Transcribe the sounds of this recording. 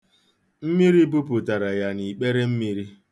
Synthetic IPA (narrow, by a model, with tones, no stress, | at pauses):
m̩˦mi˦ɾi˦b̬u˦pu˨ta˨ɾa˨ja˦ni˨k͡pe˦ɾe˦m̩˦mi˦ɾi˦